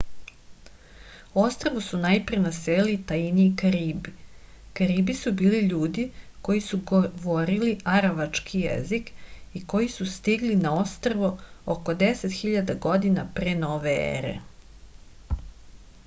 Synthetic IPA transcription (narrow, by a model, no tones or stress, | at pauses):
ost̪ɾaʋusunajpɾenaselit̪ajiniikaɾiːbi | kaɾiːbisubiːliʎuːd̪iko̞jisuʋoɾiliaɾaʋat͡ʂkʰijḛzikiko̞jisust̪iɡlinao̞st̪ɾaʋuoko̞d̪eset̪xiʎad̪aɡo̞d̪inapɾeːno̞ʋeḛɾḛ